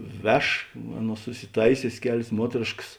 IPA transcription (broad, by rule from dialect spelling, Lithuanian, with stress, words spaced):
ˈʋʲɛʃ ˈɑːˌnuɔs sʊsʲɪˈtɐɪsʲoːsʲeːs ˈkʲæːlʲeːs ˈmuɔtʲrʲeːʃks